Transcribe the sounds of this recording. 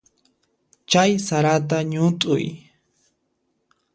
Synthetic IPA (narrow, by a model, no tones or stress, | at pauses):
t͡ʃajsaɾat̪̬aɲʊt̪ʼʊ̰j